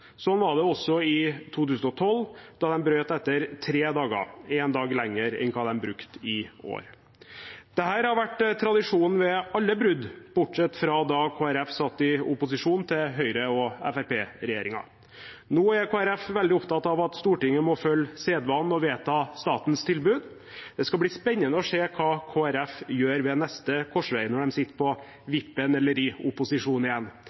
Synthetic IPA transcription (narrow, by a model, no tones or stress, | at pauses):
sɔnʋɑɖɛɔsɔɪt̪ʰuːt̪ʉːsn̩ɔt̪ʰɔlːd̪̥ɑd̪ɛmbɾøːt̪ɛt̪ːəɾt̪ʰɾeːd̪ɑːɡə̰ɛnd̪ɑːɡlɛŋːəɾɛ̰ŋkʰɑːd̪ɛmbɾʉkt̪ɪo̰ːɾ | d̪̥ɛhæːɾhɑɾʋæʈːt̪ʰɾɑd̪ɪʂuːnn̩ʋɛɑlːəbɾʉd̪b̥ʊʈʂɛt̪ːfɾɑd̪ɑkʰoːæɾɛfsɑt̪ːɪʊpʊsɪʂuːnt̪ʰɪlɦœʏɾəɔɛ̰fæɾpeːɾɛjeːɾɪŋɑ̰ | noːæɾkʰoːæɾɛfʋɛld̪ɪʊpt̪ʰɑt̪ːɑʋɑt̪st̪uːʈɪŋːəmɔfœlːseːd̪ʋɑnːɔʋeːt̪ʰɑːst̪ɑːt̪nst̪ʰɪlbʉːd̪ | d̪̥ɛskɑbliːspɛɲːənəɔʂeːkʰɑːkʰoːæɾɛfjøːɾʋɛnɛst̪əkʰɔʂʋæɪənɔɖɛmsɪt̪ːə̥pʰɔ | ʋɪpːənɛlːəɾɪʊpʊsɪʂuːnɪjɛnː